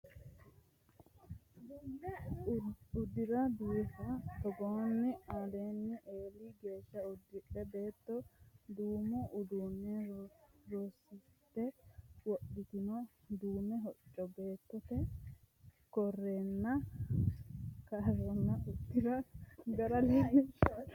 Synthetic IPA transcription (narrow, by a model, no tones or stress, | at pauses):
ʊd̪ɪɾɐd̪uːfɐt̪ɔɡoːnːɪad̪eːnːɪʔeːliɡeːʃːɐʊd̪ːɪʔɛbe̞ːt̪ːɔd̪uːmɔʔʊd̪unːɛ | ɾoːsːɪt̪ːɛwɔɗɪt̪ɪnɔ | d̪uːmɛɦɔt͡ʃʼːɔbe̞ːt̪ːɔt̪ɛ | kɔrːeːnːɐ | kaːɾɔnːɐʊd̪ːɪɾɐɡɐɾɐlɪɐɛʃa